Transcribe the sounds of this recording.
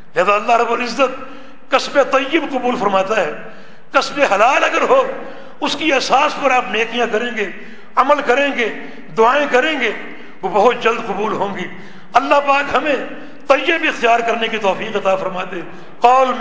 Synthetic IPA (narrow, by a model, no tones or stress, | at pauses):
lɦɛːzaɐlːaɦɾɐbːolɪzːət̪̚ | kɐsbet̪ɐjːəbqʊbuːlfɐɾmaːt̪aɦɛː | kɐsbeɦɐlaːlɐɡəɾɦoː | ʊskiesaːspɐɾaːpneːkʰijãkɐɾẽːɡeː | ɐməlkɐɾẽːɡeː | d̪ʊaːẽkɐɾẽːɡeː | ʋobɐɦʊt̪̚d͡ʒɐld̪qʊbuːlɦõːɡiː | ɐlːapaːkɦɐmẽ | t̪ɐjːəbɪxt̪ijaːɾkɐɾnekit̪ɔːfiːqɐt̪afɐɾmaːt̪e | qɔːl